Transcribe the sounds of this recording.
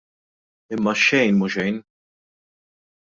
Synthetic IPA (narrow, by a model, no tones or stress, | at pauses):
ɪmːɐʃɛjnmuʃɛjn